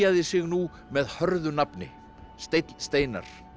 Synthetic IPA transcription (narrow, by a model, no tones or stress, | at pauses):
aðɪsɪɣnu | mɛðhœɾðʏnapnɪ̰ | st̪ejt̪lst̪eːjna̰ɾ̥